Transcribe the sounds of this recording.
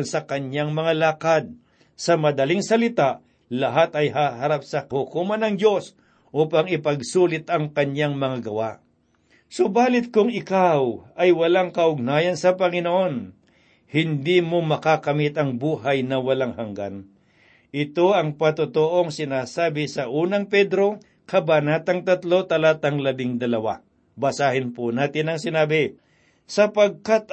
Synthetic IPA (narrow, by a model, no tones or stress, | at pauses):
nsɐkɐɲaŋmɐŋalaːkad̪̚ | sɐmɐd̪ɐliŋsɐlɪt̪aʔ | lɐɦat̪ɐjɦaːɦɐɾap̚sɐkhʊkuːmɐnɐŋd͡ʒo̞s | ʔuːpɐŋɪpɐɡsuːlɪt̪ɐŋkɐɲaŋmɐŋaɡɐwaʔ | sobaːlɪt̪̚kʊŋɪkawɐjwɐlaŋkɐʔʊɡ̚naːjɐnsɐpɐŋɪnoʔo̞n | hɪnd̪iːmomɐkakɐmɪt̪ɐŋbuːɦɐjnɐwɐlaŋhɐŋɡa̰n | ʔɪt̪o̞ʔɐŋpɐt̪ot̪oʔo̞ŋsɪnaːsaːbɪsɐʔuːnɐŋpɛd̪ɾo̞ | kɐbanaːt̪ɐŋt̪ɐt̪lo̞t̪ɐlaːt̪ɐŋlɐbɪŋd̪ɐlɐwa̰ | bɐsaːhɪnpʊnaːt̪ɪnɐŋsɪnaːbɪ | sɐpɐɡ̚kat̪